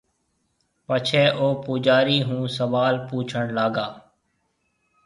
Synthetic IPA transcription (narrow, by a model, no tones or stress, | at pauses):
pət͡ʃʰeːʔoːpuːd͡ʒaːɾiːɦũːsəʋaːlpuːt͡ʃʰəɳlaːɡaː